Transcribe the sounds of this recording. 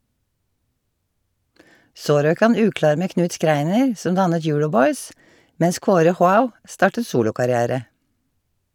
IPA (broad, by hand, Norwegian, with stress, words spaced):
ˈsoː ˈɾøːk ˈhɑn ˈʉːˌklɑːɾ ˈmeː ˈknʉːt ˈskɾæɪnəɹ ˈsɔn ˈdɑnət ˈjʊːɹɔˌbɔʏs ˈmɛns ˈkoːɾə ˈhwaʊ ˈstɑːʈə ˈsuːlʊkɑɾɪˌæːɾə